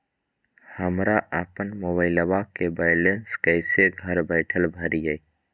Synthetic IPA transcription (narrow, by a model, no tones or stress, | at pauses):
həmɾaʔapənmoːbaːɪləbakebaːɪlenskɛɪseɡʱəɾbəɪʈʰəlbʱəɾid͡ʒai